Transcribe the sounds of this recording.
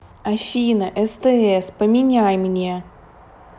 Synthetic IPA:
ɐfʲinəʔɛst̪ɛɛspəmʲɪnʲajmnʲe

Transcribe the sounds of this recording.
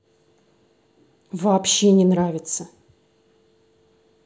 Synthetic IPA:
vɐːpɕːenʲɪnɾavʲɪt̪sə

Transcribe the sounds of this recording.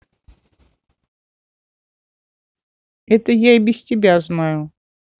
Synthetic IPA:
ɛt̪əjaɪbʲɪsʲtʲɪbʲaznajʊ

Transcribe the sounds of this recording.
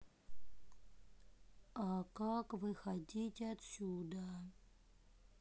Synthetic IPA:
akakvɨxɐdʲitʲɐt̪sʲud̪ə

